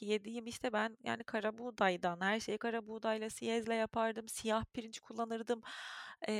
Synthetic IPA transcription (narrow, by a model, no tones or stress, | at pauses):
jed̪ijimiʃt̪ʰɛbænja̰ːnikʰaɾabuːd̪ajd̪anhæɾʃe̞jkʰaɾabuːd̪ajlˠasijɛzlʲɛjapʰaɾd̪ɯmsijahpʰiɾint͡ʃkʰulˠːanɯɾd̪ɯmː